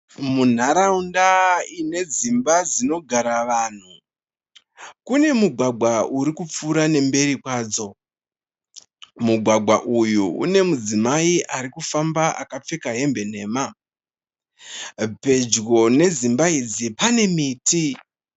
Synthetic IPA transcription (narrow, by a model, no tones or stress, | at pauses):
mun̤aɾaundaine̞zimbad͡zino̞ɡʱaɾaʋaːn̤u | kune̞muɡʱwaɡʱwauɾikup͡fuɾane̞mbe̞ɾikwaːd͡zo̞ | muɡʱwaɡʱwa̰ʔujuṵne̞mud͡zimaiʔaɾikufambaʔa̰kap͡fe̞kaɦe̞mbe̞n̤e̞ːma | pe̞d͡ʒɡo̞ne̞zimbaid͡zipane̞miːti